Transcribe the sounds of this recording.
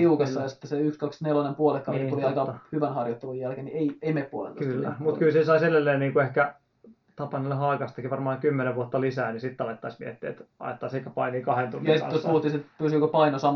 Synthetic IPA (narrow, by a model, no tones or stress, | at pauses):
iukɑsːɑjɑsi̥t̪ːeseykskɑksnelɑnempuolekːɑiuʋiɑikɑhyʋænhɑrjot̪ːelujjælkenieieimeppuo̰lḛnoksylːæmut̪kylsisɑisedelːeːnniːŋkuehkæ | t̪ɑpɑnilːehɑːkɑst̪ɑ̥kiʋɑrmɑːŋkymːeneʋʋuot̪ːɑlisæːnisit̪t̪ɑlet̪ːɑismiet̪ːiḛt̪ɑ̰jet̪ːɑseikæpɑiniːkɑhent̪unːsitt̪ːost̪puhut̪ːˑisit̪pyːsykopɑinosɑm